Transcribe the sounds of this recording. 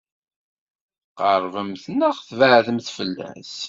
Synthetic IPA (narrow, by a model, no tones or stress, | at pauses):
qəɾˤvəmθnəχθvəʕðəmθfəlːæ̰s